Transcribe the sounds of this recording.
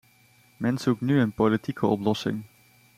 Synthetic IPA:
mɛnsuk̚nyenpolitʰikʰəɔplɔsɪ̰ŋ

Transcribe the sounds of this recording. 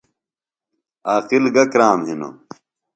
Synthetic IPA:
aːqilɡɐkɾaːmɦino̰

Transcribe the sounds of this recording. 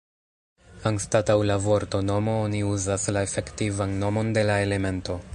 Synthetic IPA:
anstatawlavo̞ɾto̞no̞mo̞oniuzaslae̞fe̞ktivanːo̞mo̞nde̞lae̞le̞me̞nto̞

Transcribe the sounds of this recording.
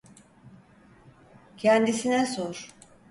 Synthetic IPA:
cʰɛnd̪isinɛsoɾ̥

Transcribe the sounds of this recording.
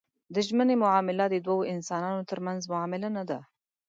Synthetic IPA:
d̪əʒmənemʊʕɑmɪlad̪əd̪wawoʔɪnsɑnɑnot̪əɾmanzmʊʕɑmɪlanad̪a

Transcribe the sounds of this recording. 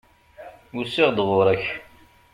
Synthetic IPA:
usɪʁd̪ʁʊɾˤæç

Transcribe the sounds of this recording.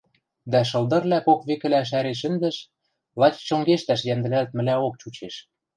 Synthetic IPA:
d̪æʃ̬ɤ̆lˠd̪ɤ̆rlækokβekɘ̆læʃ̬æɾeʃ̬ɘ̆nd̪ɘ̆ʃ | lˠɑt͡ɕt͡ɕoŋɡeʃt̪æʃjænd̪ɘ̆lælt̪̚mɘ̆læok̚t͡ɕut͡ɕeʃ

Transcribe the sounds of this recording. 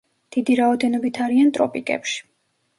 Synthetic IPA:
d̪̥id̪iɾaɔd̪ɛnɔbit̪ʰaɾiant̪ʼɾɔpʼikʼɛ̰pʃi̥

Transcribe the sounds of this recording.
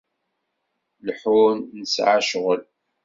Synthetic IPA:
lħunnəsʕaʃʁəl

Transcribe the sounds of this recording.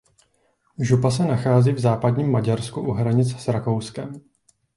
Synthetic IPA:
ʒupasɛnaxaːziːvzaːpadɲiːmːaɟaɾskuʔuɦɾaɲɪt͡ssɾako̞wskɛm

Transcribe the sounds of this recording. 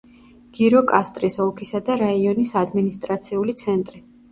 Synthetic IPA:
ɡ̥iɾɔkʼast̪ʼɾisɔlˠkʰisad̪aɾaiɔnisad̪minist̪ʼɾat̪sʰiulit̪sʰɛnt̪ʼɾi

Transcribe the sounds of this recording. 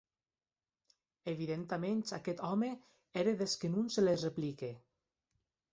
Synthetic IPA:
eβiðent̪ament͡ʃakɛt̪ɔme | eɾeðeskenunselezreplike

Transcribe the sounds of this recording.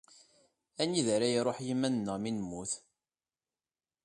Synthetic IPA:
æniðæɾæjɾˤoħjimːænnːəʁminmːuθ

